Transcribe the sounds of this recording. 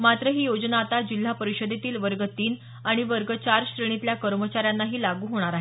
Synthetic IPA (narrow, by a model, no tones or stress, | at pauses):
mat̪ɾəɦiːjod͡znaːt̪ad͡ʑil̤ːapəɾiɕəd̪ʱet̪iːlʋəɾɡət̪iːn | aɽ̃iʋəɾɡət͡ɕaɾɕɾeɽ̃it̪ljakəɾmət͡ɕaɾjanːaɦiːlaɡuːɦoɽ̃aɾaɦe